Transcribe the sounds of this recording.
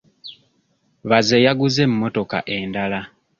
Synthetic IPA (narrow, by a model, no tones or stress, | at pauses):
βazejaɡuzemːo̞to̞ka̰ʔe̞ndala